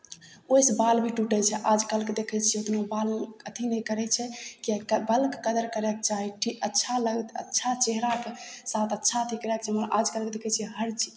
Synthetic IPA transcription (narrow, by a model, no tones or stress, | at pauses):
ojsbalbʱiʈuʈɛt͡ʃʰɛʔad͡ʒkalked̪ekʰɛt͡ʃʰiɛot̪nobalkət̪ʰinɛjkəɾɛt͡ʃʰɛkiɛkəbəlkːəd̪əɾkəɾɛk̚t͡ʃaɦiʈʰikətːʃʰaləɡt̪ə̰tːʃʰat͡ʃeɦɾakesat̪ətːʃʰat̪ʰikɾɛkt͡ʃʰɛmənʔad͡ʒkəlked̪ekʰɛt͡ʃʰiɛɦəɾt͡ʃi